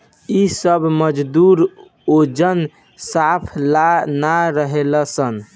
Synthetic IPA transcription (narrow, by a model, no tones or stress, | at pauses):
isəbməd͡ʒd̪uɾ | od͡ʒən | sapʰlanaɾəɦeləsən